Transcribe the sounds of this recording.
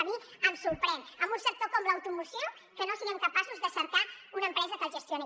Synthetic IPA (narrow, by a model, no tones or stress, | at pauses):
miəmsuɾpɾɛnəmbunsək̚t̪okɔmləwt̪umusio | kənosiɣəmkəpasuzd̪əsəɾt̪aunəmpɾɛzəkəʒəst̪jone